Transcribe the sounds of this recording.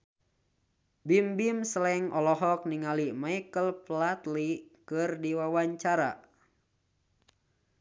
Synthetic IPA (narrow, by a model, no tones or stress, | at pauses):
bimbimsəlɛŋʔɔlɔɦɔk̚niŋalimaikəlplat̪likɨrdiwawaɲt͡ʃaɾa̰